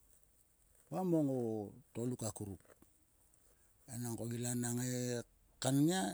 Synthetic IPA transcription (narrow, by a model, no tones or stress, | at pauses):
wamoŋotolukakuɾup̚ | enaŋkoɡilanaŋe | kanɲia